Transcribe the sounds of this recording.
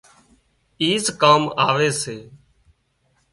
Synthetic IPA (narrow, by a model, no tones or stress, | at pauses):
iːzkaːmaːʋeːseː